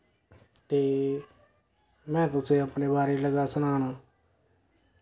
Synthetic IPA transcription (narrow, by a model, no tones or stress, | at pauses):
t̪eː | mɛ̃ːt̪ʊsẽːəpneːbaːɾeːləɡaːsənaːnaː